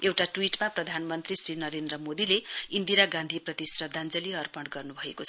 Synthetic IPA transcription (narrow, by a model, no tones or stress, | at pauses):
ewʈaʈwiʈmaprʌd̪ʱanmʌnt̪risɾinʌɾend̪rʌmod̪ileind̪iɾaɡãnd̪ʱiprʌt̪isrʌd̪and͡zʌliɦʌrpʌɳɖɡʌrnubʱʌekot͡sʰʌ